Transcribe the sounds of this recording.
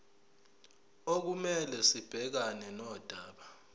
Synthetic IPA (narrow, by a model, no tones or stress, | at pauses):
ok̬umɛlɛsib̥ʱɛk̬anɛnɔːd̥ʱaːɓa